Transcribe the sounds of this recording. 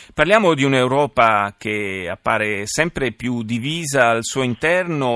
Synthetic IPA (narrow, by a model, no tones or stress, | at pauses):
parljaːmod̪iunewɾɔːpak̟ea̰pːaːɾesɛmpɾepjud̪iviːzaːlsuːoint̪ɛrno